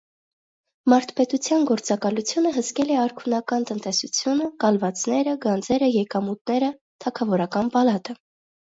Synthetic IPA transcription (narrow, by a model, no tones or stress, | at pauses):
mɑɾt̪ʰpɛt̪ut͡sʰjɑnɡɔɾt͡sɑkɑlut͡sʰjunəɦəskɛlɛɑɾkʰunɑkɑnt̪ənt̪ɛsut͡sʰjunəkɑlvɑt͡snɛɾəɡɑnd͡zɛɾəjɛkɑmut̪̚nɛɾə | t̪ʰɑkʰɑvɔɾɑkɑnpɑlɑt̪ə